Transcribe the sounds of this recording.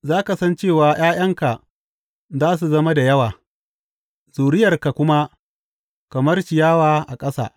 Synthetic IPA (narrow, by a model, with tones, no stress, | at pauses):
zaː˦ka˨sɐ˦nt͡ʃeː˦˨waː˨j̰aː˦j̰ɐ˦ŋka˨ʔ | zaː˦s̬u˨zɐ˦ma˦da˨jɐ˦waː˨ | zuː˨ɾɪ˦jɐ˨rka˨kʷʊ˦ma˦ | kɐ˨mɐ˦rʃɪ˨jaː˦waː˨ʔa˨kʼɐ˦sa̰ː˨